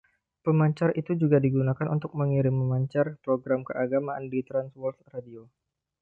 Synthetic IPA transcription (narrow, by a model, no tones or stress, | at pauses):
pəmaɲt͡ʃarit̪ud͡ʒuɡadiɡunakanʔṵnt̪ʊk̚məŋiɾɪmːəmaɲt͡ʃarpɾoɡɾamkəʔaɡamaʔandit̪ɾanswɔlt̪radio